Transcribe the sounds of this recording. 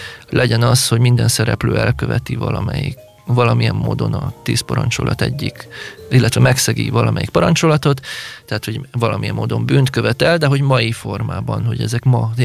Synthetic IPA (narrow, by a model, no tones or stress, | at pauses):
lɛɟɛnɒsho̞ɟmind̪ɛnsɛɾɛpløːɛlkøvɛt̪ivɒlɒmɛji | vɒlɒmijɛmːoːd̪o̞nɒt̪eːspɒɾɒnt͡ʃo̞lʔɒt̪ɛɟːikilːɛt̪ʋɛmɛksɛɡḭvɒlɒmʔɛjik̚pɒɾɒnt͡ʃolɒt̪o̞t̪ːɛɦat̪ho̞ɟvɒlɒmijɛmːoːd̪o̞mbyːnt̪køvɛt̪ɛld̪ɛɦo̞ɟmɒjifo̞rmaːbɒnho̞ɟɛ̰zɛkmɒ